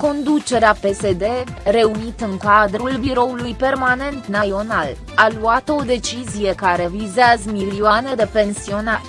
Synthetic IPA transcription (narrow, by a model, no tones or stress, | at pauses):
ko̞nd̪ut͡ʃe̞ɾeape̞se̞d̪e̞re̞unit̪ɨŋkad̪ɾulbiɾo̞ulujpe̞rmane̞nt̪najo̞nal | aluat̪əo̞d̪e̞t͡ʃizije̞kaɾe̞vizeazəmiliuane̞d̪epe̞nsio̞naɾʲ